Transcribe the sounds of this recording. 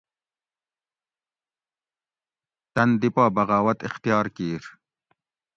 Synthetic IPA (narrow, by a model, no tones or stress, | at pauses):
t̪ɐnd̪ipaːbɐɣaːwɐt̪ixt̪ijɑːɾkiːɾ